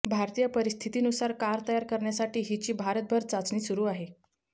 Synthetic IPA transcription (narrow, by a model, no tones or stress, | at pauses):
bʱaɾt̪ijəpəɾist̪ʰit̪iːnusaɾkaɾt̪əjaɾkəɾɳjasaʈiːɦit͡ɕiːbʱaɾət̪̚bʱəɾt͡sat͡sɳiːsuɾuːaɦe